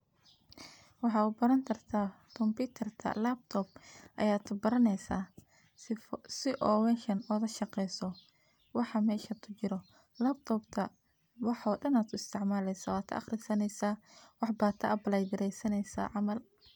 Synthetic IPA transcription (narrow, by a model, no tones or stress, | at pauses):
wɑħɑːubɐɾɐnk̪ʰɐrt̪ʰaː | kʰɔmpiːt̪ʰɐrt̪ʰɐ̰laːb̚t̪ʰɔːb̚ʔɐ̰jaːt̪ʰʊbɐɾɐnɛjsa̰ː | sɪʔɔːwɛnʃɐnɔːðɐʃɑqɛjsɔ | wɑħɑmɛːʃɐt̪ʰʊt͡ʃɪɾɔ | laːb̚t̪ʰɔːbt̪ʰɐ | wɑħɔːɗɐnaːt̪ʰʊɪst̪ʰɪʕmaːlɛjsɐwaːt̪ʰɐ̰ːχrɪsɐnɛjsaːwɑħbaːt̪ʰɐʔɐbɐlɛjɡɪɾɛjsɐnɛjsa̰ːʕɑmɐl